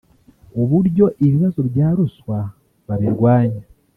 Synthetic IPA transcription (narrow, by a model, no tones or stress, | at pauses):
oβuɾɟo̞ʔiβiβazo̞βjaːɾuswa | βaβiɾwaːɲa